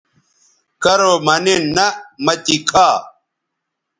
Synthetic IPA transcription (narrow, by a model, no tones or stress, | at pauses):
kɐɾoːmɐnenːɐmɐt̪ikʰaː